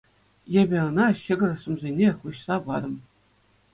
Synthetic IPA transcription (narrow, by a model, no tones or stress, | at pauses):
jĕbʲɘ̆ɤ̆nɑɕɘ̆ɡʲɤ̆rɤ̆sɤ̆mzʲenʲeχuɕsɑʋɑɾɤ̆m